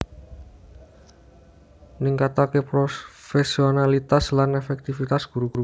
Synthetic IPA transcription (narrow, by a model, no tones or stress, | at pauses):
niŋkat̪akepɾofesionalit̪aslanefɛk̚t̪ifit̪asɡ̥uɾuɡ̥uɾu